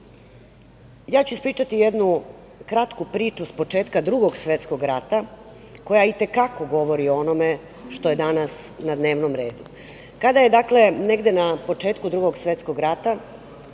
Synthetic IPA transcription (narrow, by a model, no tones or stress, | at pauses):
jaːt͡ɕuispɾiːt͡ʃat̪ijed̪nu | kɾat̪kupɾiːt͡ʃuspo̞t͡ʂeːt̪kad̪ɾuɡo̞ɡsʋet̪sko̞ɡɾat̪a | ko̞jait̪e̞kako̞ɡo̞ʋo̞ɾioonome | ʃt̪oje̞d̪anasnad̪ne̞ːʋnomɾe̞ːd̪u | kad̪aje̞d̪akle̞neɡd̪enapo̞t͡ʂeːt̪kud̪ɾuɡoɡsʋet̪sko̞ɡɾat̪a